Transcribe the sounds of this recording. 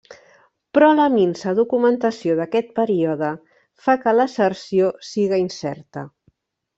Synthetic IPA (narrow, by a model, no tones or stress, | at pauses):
pɾɔləminsəðukumənt̪əsioðəkɛt̪̚pəɾioðə | fakələsərsiosiɣəinsɛɾt̪ə